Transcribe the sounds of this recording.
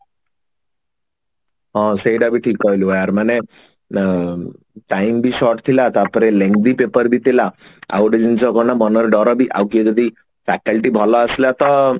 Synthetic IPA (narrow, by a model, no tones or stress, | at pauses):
ɦɔ̃seɖabʱiʈʰiːkɔjluajaɾmane | ʈaimbʱiʃɔɾʈt̪ʰilat̪apəɾelẽŋɡd̪ipepəɾbʱit̪ʰilaa̰wɖid͡ʒint͡sɔɡɔnabɔnəɾɖɔɾɔbʱiʔa̰wkied͡zɔd̪i | fɛkəlʈibʱɔlɔəsljat̪ɔ